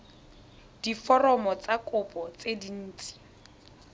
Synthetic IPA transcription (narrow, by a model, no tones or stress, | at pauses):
d̥ifɔrɔmɔt͡sakʼʊpʼɔt͡sedin̩ːt͡sʼi̥